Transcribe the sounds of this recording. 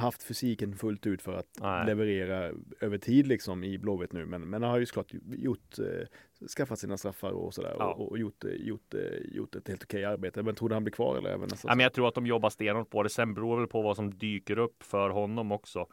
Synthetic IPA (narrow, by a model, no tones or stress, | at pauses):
haft̪fʏsiːkənfɵlt̪ʉ̟ːt̪fœɾa̰t̪lɛvɛɾeːɾaøːvəʈʰiːd̪lɪksɔmɪbloːɛt̪nʉ̟ːmɛnmɛnhanhaɾjʏsɔkʰlɑːʈjʊʈː | skafːat̪siːnast̪ɾafːa̰ɾɔ̰sɔd̪æ̰ːɾɔ̰ɔjʊʈːjʊ̰ʈːjʊ̰ʈːɛt̪heːlt̪ɔ̥kʰɛjaɾbeːt̪əmɛnʰɾuːd̪əhanblɪɾkʰvɑ̰ːɾɛ̰lːə̰ɛ̰ːvənɛst̪ːmɛnjat̪ʰɾuːɾat̪d̪ɔmjɔbːast̪eːnoːt̪̚bʰoːd̪ɛsɛnbɛɾuːvɛlpʰɔvasɔmd̪yːkəɾɵpːfœɾɦɔnːɔmɔksɔ